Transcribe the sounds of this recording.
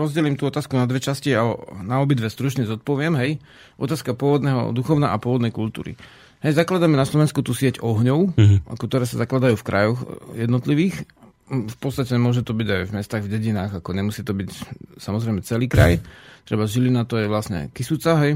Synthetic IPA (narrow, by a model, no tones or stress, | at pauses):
ɾɔzɟɛlimt̪uːɔt̪aːskunad̪ʋɛt͡ʃasciaɔnaɔbid̪ʋɛst̪ɾut͡ʃɲɛzɔt̪̚pɔʋɪɛmɦɛj | ʔɔ̰t̪aːskapʊɔʋɔd̪nɛːɦɔ̰d̪uxɔʊna̰apʊɔʋɔd̪nɛjkult̪ṵːɾḭ | ɦɛjzaklad̪amɛnaslɔʋɛnskut̪uːsɪɛcɔɦɲɔʊa̰kt̪ɔɾɛːsazaklad̪ajuːfkɾʔajɔxjɛd̪nɔt̪liʋiːx | fpɔt̪t͡sst̪acɛmʊɔʒɛt̪ɔbiɟajvmɛst̪aːɣvɟɛɟinaːɣakɔɲɛmusiːt̪ɔbicsamɔzɾɛjmɛt͡sɛliːkɾa̰jt̪ɾɛbaʒilinat̪ɔjɛʋlasɲɛ̰kisut͡saɦɛj